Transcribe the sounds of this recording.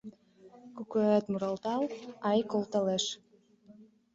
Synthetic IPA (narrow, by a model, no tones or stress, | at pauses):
kukøt̪muɾɑlˠt̪ɑlˠɑjkolˠt̪ɑleʃ